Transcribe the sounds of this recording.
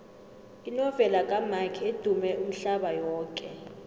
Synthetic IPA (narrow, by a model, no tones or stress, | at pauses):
inɔvɛlakʼamakʰied̥ʱumɛʔum̩ɬaɓajɔːkʼɛ